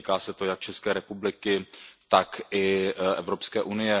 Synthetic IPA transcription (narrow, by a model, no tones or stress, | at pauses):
ikaːsɛt̪ojak̚t͡ʃɛskɛːɾɛpublɪkɪt̪akʔɪʔɛvɾopskɛːʔunɪjɛ